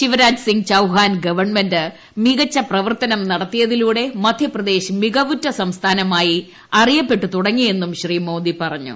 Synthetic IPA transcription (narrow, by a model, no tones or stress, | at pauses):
ɕiʋɐɾaːd͡ʑsiŋɡt͡ɕɐwɦaːnɡɐʋɐrɳmendɨ | miɣɐt͡ɕːɐprɐʋɐrt̪ɐnɐmnɐɽɐt̪ːijɐðiluːɽe̞mɐd̪ʱjɐprɐd̪e̞ːɕmiɡɐʋutːɐsɐmst̪ʰaːnɐmaːji | ɐrijɐpːe̞ʈːut̪uɽɐŋːije̞nːumɕriːmo̞ːnd̪ipɐrɐɲːṵ